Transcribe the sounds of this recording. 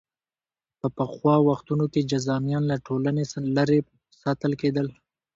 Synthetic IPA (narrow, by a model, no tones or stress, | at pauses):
pəpəxwɑwaxt̪unoked͡ʒazɑmjɑnlaʈʰolanelaɾe | sɑt̪əlked̪əl